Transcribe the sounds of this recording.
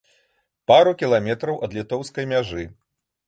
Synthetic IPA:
paɾukʲilˠamʲɛt̪ɾɐwʔɐd̪lʲit̪ɔwskɐjmʲaʐɨ

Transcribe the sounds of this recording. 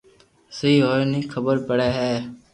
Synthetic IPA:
səiːɦoːɾnĩːkʰəbəɾpəɽeːɦɛː

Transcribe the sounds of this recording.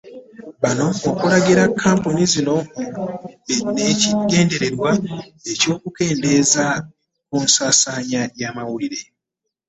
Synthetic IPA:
βano̞ːkulaɡiɾakʰːaːmponizino̞ | neiɡe̞ːnde̞ɾe̞ɾwa | e̞co̞ːkuke̞ːnde̞ːza | kuːnsaːsaːɲajaːmawuliɾe̞

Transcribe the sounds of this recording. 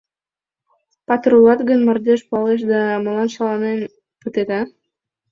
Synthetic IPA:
pɑt̪rulɑt̪ɡənmɤ̆rd̪eʃpuɑleʃ̬d̪ɑmɤ̆lɑnʃɑlˠɑnen | pət̪ed̪ɑ

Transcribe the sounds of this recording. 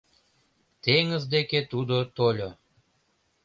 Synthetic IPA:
t̪eŋə̆zd̪eket̪ud̪ot̪olʲo

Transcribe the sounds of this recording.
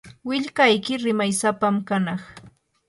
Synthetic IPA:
wɪʎkajkɪɾɪmajsapamkanɑχ

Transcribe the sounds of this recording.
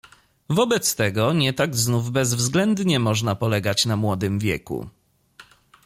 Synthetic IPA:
vɔbɛt̪st̪ɛɡɔɲɛt̪aɡznuvbɛzvzɡlɛnd̪ɲɛmɔʐnapɔlɛɡat͡ɕnamwɔd̪ɘmvʲjɛ̰kṵ

